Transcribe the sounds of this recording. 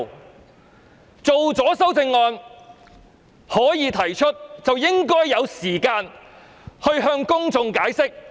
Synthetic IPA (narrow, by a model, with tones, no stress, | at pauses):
t͡so˨wt͡sɔː˨˥sɐ˥wt͡sɪ˧ŋːɔː˧n | hɔː˨˥jiː˨˧t̪ʰɐ˨˩jt͡ʃʰɵ˥t̚t͡sɐ˨wjɪ˥ŋkɔː˥jːɐ˨˧wsiː˨˩kaː˧n | hɵ˧ɥɦœː˧ŋkʊ˥ŋt͡sʊ˧ŋkaː˨˥jsɪ˥k̚